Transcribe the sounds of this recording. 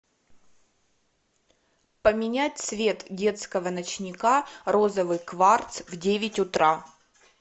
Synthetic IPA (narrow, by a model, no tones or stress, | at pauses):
pəmʲɪnʲætʲsvʲet̪dʲe̞t̪skəvənɐt͡ɕnʲɪkaɾo̞zəvɨjkvart̪svdʲevʲɪtʲʊt̪ɾa